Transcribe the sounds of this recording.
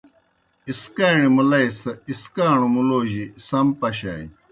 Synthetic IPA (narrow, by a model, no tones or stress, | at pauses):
iskaːɳimulɐjsɐiskaːɳumuloːʑisɐmpɐɕa̰ːḭ